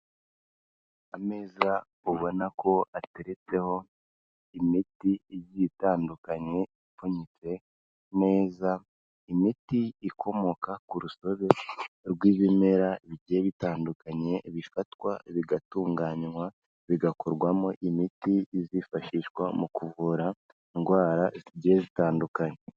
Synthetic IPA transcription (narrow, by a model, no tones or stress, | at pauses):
ame̞ːza | uβo̞nakʰo̞ate̞ɾet͡se̞ho̞ | imitiɟitaːndukaɲe̞ | foɲit͡se̞ | me̞ːza | imitiikʰo̞mo̞kakuɾuso̞βe̞ɾɡwiːβimeɾaβiɟijeβitaːndukaɲe̞βifatwaβiɡatuːŋɡaːɲŋwa | βiɡakoɾɡwamoʔimitiːzifaʃiːʃwamukuvuɾa | iŋɡwaːɾaziɟijezitaːndukaɲe